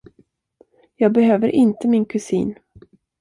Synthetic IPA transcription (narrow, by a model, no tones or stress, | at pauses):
jɑːɡ̚bɛɦøːvəɾʔɪnt̪əmɪnkʰɵsḭːn